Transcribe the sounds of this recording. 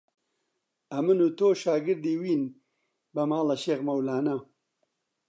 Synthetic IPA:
ɐminut̪oːɕaːɡɪɾd̪iwin | bɐmaːlɐɕeɣmɐwlaːna

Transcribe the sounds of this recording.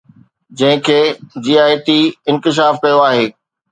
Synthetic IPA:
d͡ʑɐ̃ɦɪ̃kʰeːd͡ʑiːaːjt̪iɪnkɪʃ̬aːfkɐjoaːɦeː

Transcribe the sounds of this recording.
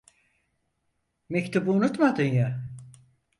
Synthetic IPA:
mect̪ʰubuunut̪mad̪ɯnja

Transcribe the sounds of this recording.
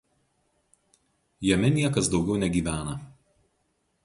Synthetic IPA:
jɛmʲɛnʲiɛkɐsd̪ɒʊɡʲɛʊnʲɛɡʲiːʋʲæːnɐ

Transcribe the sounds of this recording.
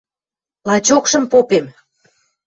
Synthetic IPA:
lɑt͡ɕokʃə̆mpopem

